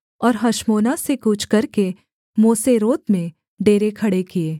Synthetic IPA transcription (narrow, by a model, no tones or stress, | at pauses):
ɔːɾɦɐʃmoːnasekuːt͡ʃʰkɐɾke | moːseɾoːt̪mẽ | ɖeːɾekʰɐɽekieː